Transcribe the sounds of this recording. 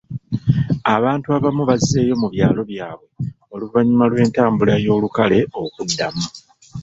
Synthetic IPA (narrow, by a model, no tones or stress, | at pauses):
aβaːntuaβamuβazize̞ːjo̞muβjaːlo̞βjaːβwe̞ | o̞luvaɲimalwe̞ːntaːmbulajo̞ːlukale̞o̞kudːamu